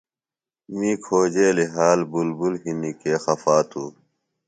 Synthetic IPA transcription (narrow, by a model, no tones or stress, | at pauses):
mĩːkʰoːd͡ʑeːliɦaːlbulbulɦinikeːxɐfaːt̪ʰuː